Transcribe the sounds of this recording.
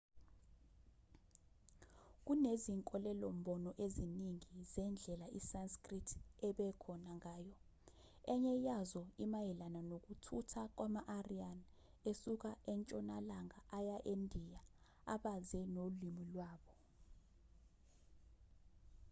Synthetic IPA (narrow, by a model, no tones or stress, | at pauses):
k̬uneziŋkʼɔlɛlom̩ɓɔnɔʔeziniŋizɛnd͡ɮʱɛlaʔisanskritʰɛɓɛkʰɔnaŋaːjɔ | ɛɲɛjazɔimajɛlananok̬utʰutʰak̬wʔamaʔarian | esuk̬aʔɛnt͡ʃʼɔnalaŋaʔajaʔendʱija | a̰ɓazɛnolimilwaːɓɔ